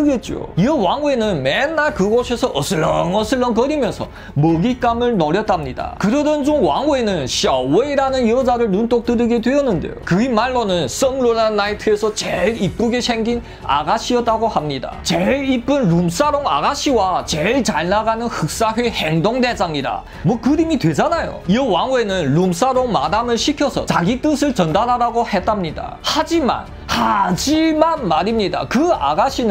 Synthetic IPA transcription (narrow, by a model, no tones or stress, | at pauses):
ɯɡe̞t̚t͡ɕ͈o̰iʌwaŋuenɯnmenːaɭkɯɡosʰesʰʌʔʌsʰɯɭːʌŋʌsʰɯɭːʌnk̬ʌɾimjʌnsʰʌ | mʌɡik͈amɯɭnoɾjʌt͈amɲida̰kɯɾʌdʌnt͡ɕomwaŋuenɯnɕiaweiɾanɯnjʌd͡ʑaɾɯɭnunt͈ok̚t͈ɯɾɯɡedweʌnːɯnde̞̰jo̰kɯimaɭːonɯns͈ʌmlonanːaitʰɯesʰʌt͡ɕeɾip̚k͈uɡesʰeŋɡin | a̰ɡaɕʰiʌt͈aɡohamɲida̰t͡ɕeɭip͈ɯnɭums͈aɾoŋa̰ɡaɕʰiwat͡ɕeɭt͡ɕaɭnaɡanɯnhɯk̚s͈aɸɥeheŋdoŋde̞saŋida̰ | mwʌkɯɾimidwe̞d͡ʑanajo̰iʌwaŋue̞nɯnlums͈aɾoŋma̰damɯɭɕʰikʰjʌsʰʌ̰t͡ɕaɡit͈ɯsʰɯɭt͡ɕʌndaɾaɾaɡohe̞t͈amɲida̰had͡ʑima̰n | had͡ʑimanmaɾimɲida̰kɯa̰ɡaɕʰinɯ